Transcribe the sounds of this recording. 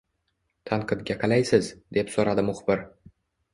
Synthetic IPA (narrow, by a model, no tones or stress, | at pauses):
t̪ʰanqʰɨd̪ɡʲaqʰɑlajsɪzd̪e̞psoɾad̪ɪmʊχbɪɾ